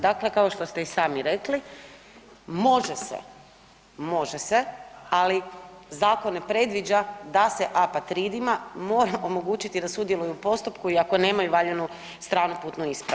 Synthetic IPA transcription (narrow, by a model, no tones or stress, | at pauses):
d̪akle̞kaoʃt̪o̞st̪e̞isaːmiɾekli | mo̞ʒesḛ | mo̞ʒesealizaːkonːepɾe̞d̪ʋid͡ʒad̪ase̞ʔapat̪ɾid̪imamo̞ːɾamo̞mo̞ɡuːt͡ʃit̪id̪asud̪je̞lujupo̞st̪upkuiako̞ne̞ːmajuʋaʎenu | st̪ɾaːnupuːt̪nuispɾa